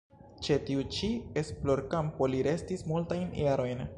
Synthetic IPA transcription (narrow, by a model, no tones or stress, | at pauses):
t͡ʃe̞tiut͡ʃiesplo̞ɾkampo̞liɾe̞stismultajnjaɾo̞jn